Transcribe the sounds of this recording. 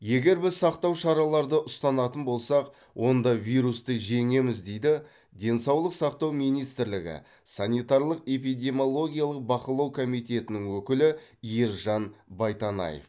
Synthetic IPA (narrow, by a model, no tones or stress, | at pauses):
je̞ɡʲe̞ɾbɪzsɑqt̪ɑwʃɑɾɑlˠɑɾd̪əʔʊst̪ɑnɑt̪ənbo̞lˠsɑq | wʔo̞nd̪ɑvijɾust̪əʒe̞ŋe̞mɪzd̪e̞jd̪ɪ | d̪e̞nsɑwlˠəqsɑqt̪ɑwmijnijst̪ɪɾlɪɡʲɪ̰ | sɑnijt̪ɑɾlˠəqe̞p̬ijd̪ʲe̞mʲo̞lˠo̞ɡʲijalˠəq̚bɑqəlˠɑwkʰo̞mijt̪ʲe̞t̪ɪnɪŋwɵkʲɪlɪijəɾʒɑnbɑjt̪ɑnɑ̰jḛf